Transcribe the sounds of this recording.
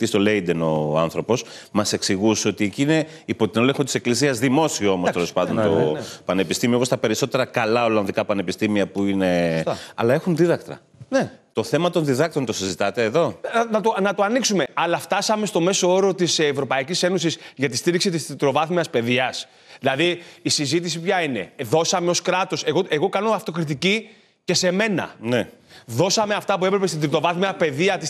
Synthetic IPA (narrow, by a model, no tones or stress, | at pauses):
t̪ist̪o̞le̞jd̪eno̞̰ɐ̰nθɾo̞po̞smɐse̞ksiɣusio̞t̪ieciine | ipo̞t̪ino̞leŋxot̪iseklisiɐzðimo̞sioomost̪elo̞spɐnd̪ont̪opɐne̞pist̪imiɐpost̪ɐpe̞ɾiso̞t̪e̞ɾɐkɐlɐo̞lɐnðikɐpɐne̞pist̪imiɐpuine̞ɐ̰lɐe̞xunðiðɐkt̪ɾɐ̰ | net̪o̞θe̞mɐt̪o̞nðiðɐk̚t̪ɾo̞nt̪o̞sizit̪ɐt̪e̞ːðo̞nɐt̪onɐt̪oɐniksume̞ɐlɐft̪ɐsɐme̞st̪o̞me̞soo̞ɾo̞t̪isvɾo̞pɐicise̞no̞sisʝɐt̪ist̪iɾiksit̪ist̪ɾit̪ɾo̞vɐθmiɐspe̞ðiɐs | ðilɐðiːsizit̪̬is̬ipçɐine̞̰ðo̞sɐme̞o̞skɾɐt̪o̞se̞ɣo̞ʔe̞ɣo̞kɐno̞ɐft̪o̞kɾit̪̬ici | ce̞se̞me̞nɐ̰neðo̞sɐme̞ɐft̪ɐpue̞pɾepest̪it̪ɾit̪ɾo̞vɐθmiɐpe̞ðiɐt̪is